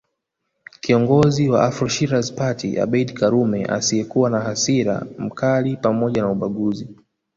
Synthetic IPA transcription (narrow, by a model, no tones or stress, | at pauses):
kiɔŋɡɔziwaʔafɾɔʃiɾazpatiʔa̰ɓɛɗkaɾumɛʔa̰siɛkuwanahasiɾa̰m̩kalipamɔʄanauɓaɠuzi